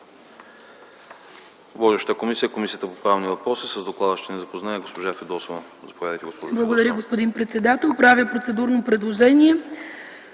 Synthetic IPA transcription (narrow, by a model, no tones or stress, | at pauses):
vɔʒɛʃə̥t̪əkomisijəkomisijət̪əpopɾavnivɐpɾɔsisəzd̪oklˠad̪əʃt̪ɛnɛzɐpoznaɛɡospoʒafɛd̪ɔsovɐ | zɐpovʲad̪əjt̪ɛɡospɔʒblˠɐɡod̪ɐɾəɡospod̪inpɾɛt̪sɛd̪at̪ɛlˠpɾavʲjəpɾot̪sɛd̪uɾnopɾɛd̪lˠoʒɛniɛ